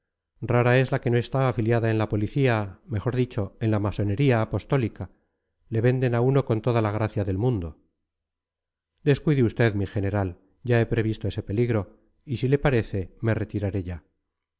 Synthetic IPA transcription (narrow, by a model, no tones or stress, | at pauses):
raɾae̞zlake̞no̞e̞st̪aːfiljaðae̞nlapo̞liθiame̞xo̞ɾðit͡ʃo̞e̞nlamaso̞ne̞ɾiaːpo̞st̪o̞lika | le̞βe̞nd̪e̞nauno̞ko̞nt̪o̞ðalaɣ̞ɾaθjaðe̞lmũnd̪o̞ | d̪e̞skwiðiust̪e̞ðmixe̞ne̞ɾal | ɟ͡ʝae̞pɾe̞βist̪oese̞pe̞liɣɾo̞ | isile̞paɾe̞θe̞me̞re̞t̪iɾaɾe̞ʝa